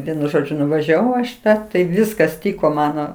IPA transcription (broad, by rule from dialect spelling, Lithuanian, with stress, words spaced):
ˈʋʲiɛnʊ ˈʒoːd͡ʒʲʊ nʊʋɐʒʲɛˈʋɐʊ ɐʃ ɪˈtɑː tɐɪ ˈʋʲɪskɐs ˈtʲiːkoː ˈmɑːnoː